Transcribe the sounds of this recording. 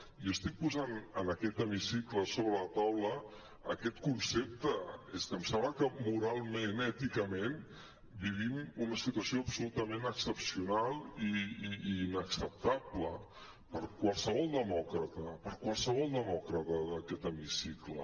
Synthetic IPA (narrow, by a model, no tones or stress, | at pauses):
jiəst̪ik̚puzanənəkɛt̪əmisikləsoβɾələt̪awləː | kɛt̪kunsep̚t̪əeskəmsɛmbləkəmuɾalˠmenɛt̪ikəmen | biβimunəsit̪uəsioəpsulut̪əmenəksəpsiunalˠiː | nəksəp̚t̪ablə | pəɾkwalˠsəβ̞ɔlˠd̪əmɔkɾət̪əpəɾkwalˠsəβ̞ɔlˠd̪əmɔkɾət̪əðəkɛt̪əmisiklə̰